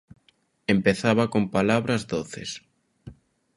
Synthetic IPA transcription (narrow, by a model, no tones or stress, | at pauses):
empeθaβɐkompalaβɾɐzðoθḛs